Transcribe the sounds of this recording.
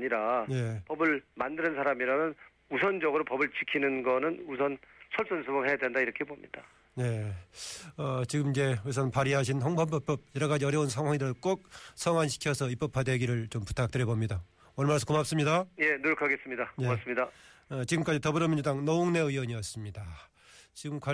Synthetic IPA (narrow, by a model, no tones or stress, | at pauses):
aɲiɾaje̞pʌbɯɭmandɯnɯnsʰaɾamiɾanɯn | usʰʌnd͡ʑʌɡɯɾopʌbɯɭt͡ɕikʰinɯnɡʌnɯnusʰʌnsʰʌɭs͈ʌnsʰubʌŋɦe̞jadwendaiɾʌkʰe̞bomɲḭd̥a | je̞ | ʌt͡ɕiɡɯmid͡ʑe̞es̬ʰʌnnpaɾiɦaɕ̬ʰinhʌŋpʰʌmpʌp͈ʌb̚jʌɾʌɣad͡ʑiʌɾjʌunsʰaŋɦwaŋidɯɾɯɭk͈ok̚sʰʌŋɦwanɕʰi̥kʰjʌsʰʌip͈ʌpʰadwe̞ɡiɾɯɭt͡ɕompu̥tʰak̚t͈ɯɾjʌbomɲida | wʌɭmaɭsʰo̥komap̚s͈ɯmɲidaje̞nojokʰaɡe̞s͈ɯmɲidajeas͈ɯmɲidaʌt͡ɕiɡɯmk͈ad͡ʑitʌbɯɾʌmiɲd͡ʑudaŋnʌuŋne̞ɯwʌɲiʌs͈ɯmɲida | t͡ɕiɡɯmkwa